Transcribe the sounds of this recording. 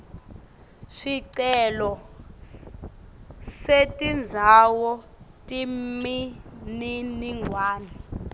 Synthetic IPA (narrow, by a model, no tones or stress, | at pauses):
ʃiǀɛlɔ | setʼind͡zʱawɔ | tʼimininiŋʱwaːnɛ